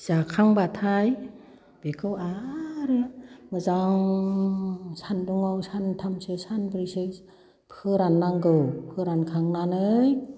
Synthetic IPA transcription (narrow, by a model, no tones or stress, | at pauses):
z̥akʰaŋbat̪ʰaj | b̥ekʰɯwaɾɯmɯzaŋ | sʰanduŋɔwsant̪ʰamsɯsanbɾisɯ | pʰɯɾanːaŋɡɯwpʰɯɾankʰaŋnanɯj